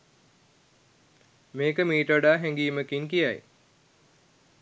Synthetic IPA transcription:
meːkəmiːʈəʋəɖaːɦæŋɡiːməkiŋkija̰j

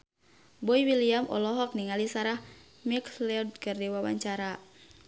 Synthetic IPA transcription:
bɔiwiliamʔɔ̰lɔɦɔk̚niŋalisaɾah | miklɛɔd̚kərdiwawa̰ɲt͡ʃaɾa

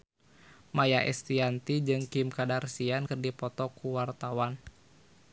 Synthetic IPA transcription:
majaʔɛ̰st̪iant̪id͡ʒɨŋkimkadarsiankɨrdipɔt̪ɔkuwart̪awan

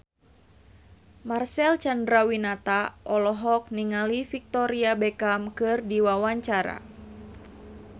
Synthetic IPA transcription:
marsɛlt͡ʃandɾawinat̪aʔɔlɔɦɔk̚niŋalifik̚t̪ɔɾiabɛkamkɨrdiwawaɲt͡ʃaɾa̰

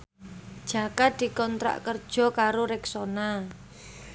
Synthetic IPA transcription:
d̥ʒ̥a̤kad̪̥i̤kɔnt̪ɾa̰ʔkərd̥ʒ̥ɔ̤kaɾoɾɛksona

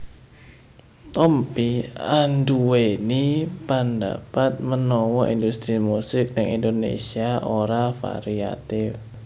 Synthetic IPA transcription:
t̪ɔmpianduwenipanda̰pat̪̚mənɔwɔʔindust̪ɾimusɪk̚dəŋḭndonḛsiaʔoɾafa̰ɾia̰t̪ɪf

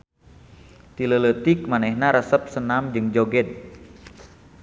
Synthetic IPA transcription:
t̪ilələt̪ik̚manɛhnaɾəsəp̚sənamd͡ʒɨŋd͡ʒoɡɛd̪̚

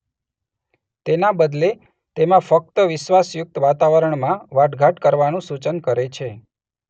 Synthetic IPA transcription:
t̪enabəd̪le | t̪emãfək̚t̪əʋɪʃʋasjʊk̚t̪ʋat̪aʋəɾəɳmãʋaʈɡʱaʈkəɾʋanũsut͡ʃənkəɾet͡ʃʰe

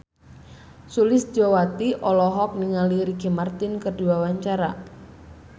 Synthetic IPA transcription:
sulɪsd͡ʒɔwat̪iʔɔlɔɦɔk̚niŋaliɾiɡemart̪ɪnkərduwawaɲt͡ʃaɾa

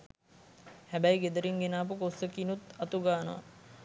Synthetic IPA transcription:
hæbæjɡed̪əɾiŋɡenaːp̬əkosəkinut̪ɐt̪uɡaːnəʋa̰

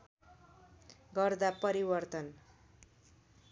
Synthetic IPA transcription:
ɡʌrd̪apʌɾibʌrt̪ʌn

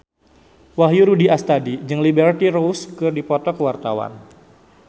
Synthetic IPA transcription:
waɦjuɾudiʔast̪adid͡ʒɨŋlibɛrt̪iɾouskɨrdipɔt̪ɔkəwart̪a̰wa̰n

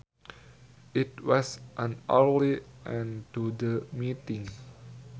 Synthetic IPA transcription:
ʔitwɔsʔə̃nəɹliʔɛ̃ntudəmitĩŋ

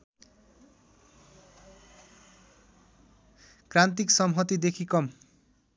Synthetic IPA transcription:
krant̪iksʌmɦʌt̪id̪ekʰikʌm

